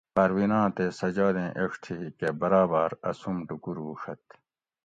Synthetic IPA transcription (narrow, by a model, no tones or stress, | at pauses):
pɐɾwiːnãːt̪esɐd͡ʑaːd̪ẽːʔeʂt̪ʰikebɐɾaːbaːɾɐsumɖukuɾuːʂɐt̪